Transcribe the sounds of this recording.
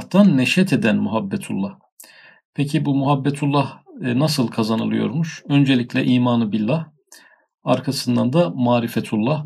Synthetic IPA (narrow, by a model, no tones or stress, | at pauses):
ht̪anːɛʃɛt̪ʰed̪ænmuɦabːɛt̪ʰulˠːah | pʰecʰibumuɦabːɛt̪ʰulˠːahnasɯlˠkʰazanɯlˠɯjo̰ɾmuʃø̞nd͡ʒelʲicʰlʲɛʔiːmaːnɯbilʲːah | aɾkʰasɯnd̪and̪amaːɾifɛt̪ʰulˠːah